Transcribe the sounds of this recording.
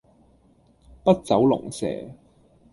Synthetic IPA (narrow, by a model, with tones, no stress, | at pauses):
pɐ˥t̚t͡sɐ˨˥wlʊ̰˨˩ŋsɛ̰ː˨˩